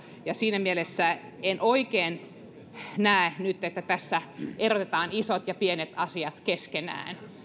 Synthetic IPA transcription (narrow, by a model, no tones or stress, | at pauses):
jɑsiːnæmielesːæ | enʔoikeːn | næenyt̪ːet̪ːæt̪æsːæʔerot̪et̪ɑːnisot̪jɑpienet̪ɑsiɑt̪keskenæ̰ːn